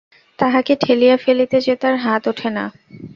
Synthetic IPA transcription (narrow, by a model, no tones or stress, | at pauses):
t̪aɦakeʈʰelijafelit̪ed͡ʑet̪aɾɦat̪uʈʰena̰